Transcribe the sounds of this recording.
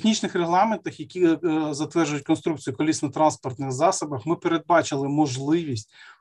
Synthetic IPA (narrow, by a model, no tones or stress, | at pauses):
xnʲit͡ʃnɪxreɦlˠɑment̪ɐxjɐkʲizɐt̪ʋɛrʒʊjʊt̚ʲkɔnst̪ɾuk̚t͡sʲijʊkɔlʲisnɐt̪ɾɑnspɔrt̪nɪxzɑsɐbɐxmɪpeɾe̞d̪̚bɑt͡ʃɪlˠɪmɔʒlˠɪʋʲisʲtʲ